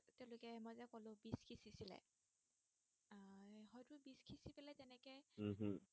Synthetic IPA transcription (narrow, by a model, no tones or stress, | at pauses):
teʊ̃lʊkɛmɔjzɛkolʊ̃biskʰisisilɛ̰ | ɦɔjtʊbiskʰisipɛlɛzɛnɛkɛɦ̩